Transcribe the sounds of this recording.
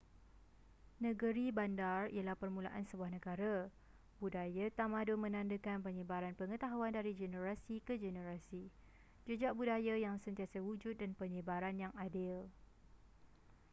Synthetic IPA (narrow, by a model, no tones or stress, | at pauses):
nə̃ɡəɾibandarḭjəlahpərmula̰ʔansəbuahnə̃ɡaɾa | budajat̪amãdʊmə̃nãndəkanpəɲə̃baɾanpəŋə̃t̪aɦuandaɾid͡ʒɛnəɾasikəd͡ʒɛnə̃ɾasi | d͡ʒəd͡ʒaʔbudajajaŋsənt̪iasawud͡ʒʊt̪̚danpəɲəbaɾanjaŋadɪl